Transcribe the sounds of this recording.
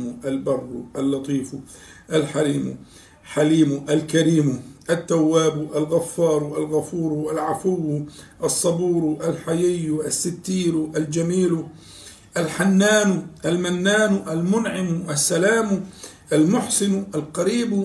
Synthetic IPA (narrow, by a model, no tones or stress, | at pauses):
mʔalbɑrˤːṵʔalːɑt̪ˤiːfu | ʔalħaɾiːmṵ | ħaliːmʊʔalkaɾiːmʊʔat̪ːawːaːbuʔalɣafːɑːɾˤuʔalɣafuːɾuʔalʕafʊwːʔɑsˤːɑbuːɾuʔalħajɪjːʊʔasːɪt̪ːiːɾuʔald͡ʒamiːlu | ʔalħanːaːnuʔalmanːaːnuʔalmʊnʕɪmuʔasːalaːmu | ʔalmʊħsɪnʊʔalqɑɾiːb